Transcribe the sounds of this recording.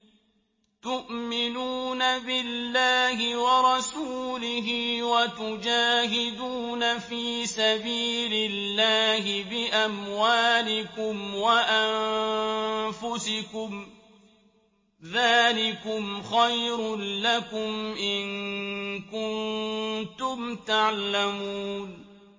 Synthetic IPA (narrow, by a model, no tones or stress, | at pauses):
t̪ʊʔmɪnuːnabɪlːaːhɪwɑɾˤɑsuːlɪɦɪwat̪ʊd͡ʒaːɦɪd̪uːnafiːsabiːlɪlːaːɦɪbɪʔamwaːlɪkʊmwaʔan | fʊsɪkʊm | ðaːlɪkʊmxajɾʊnlakʊmʔɪn | kʊnt̪ʊmt̪aʕlamuːn